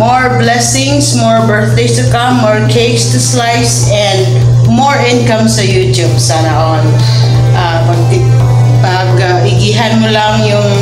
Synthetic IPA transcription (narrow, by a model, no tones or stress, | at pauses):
moɹblɛsɪŋsmɔɹbɛɹθd̪ejst̪ʊkamːɔɹkʰejkst̪ʊslajs | ɛ̃nd̪ | moɹʔɪ̃nkɐmsɐjuːt̪jubsanɐʔon | ʔa | pɐɡ̚ | pɐɡ | aʔɪɡiɦanmʊlɐŋjʊŋ